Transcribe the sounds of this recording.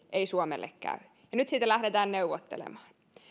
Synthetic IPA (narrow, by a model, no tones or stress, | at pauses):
ʔeisuomḛlːḛkkæ̰y | jɑnyt̪siːt̪ælæhdet̪æːnneuʋːot̪ːḛlḛmɑ̥ːn